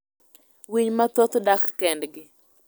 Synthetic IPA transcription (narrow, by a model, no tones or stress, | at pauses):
wiɲmat̪ot̪dakːɛndɡɪ